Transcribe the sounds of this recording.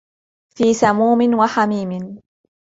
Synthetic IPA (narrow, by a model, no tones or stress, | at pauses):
fiːsamuːmɪnwaħamiːmɪn